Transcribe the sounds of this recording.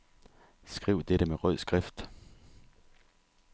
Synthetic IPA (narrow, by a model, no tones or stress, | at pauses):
sɡ̥ʁiʊ̰d̥eɾəmeʁœð̰ˠsɡ̥ʁɛfd̥